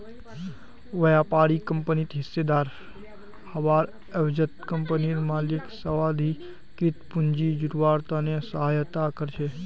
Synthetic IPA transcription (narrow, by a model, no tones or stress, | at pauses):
ʋəjapaːɽikəmpənit̪ɦɪsːed̪aːɾ | həʋaːɾ | əʋd͡ʒət̪kəmpəniɾmaːlɪksəʋaːd̪ʱi | kit̪pʊnd͡ʒid͡ʒʊɾʋaːɾt̪anesəɦaːjt̪akəɾt͡ʃʰe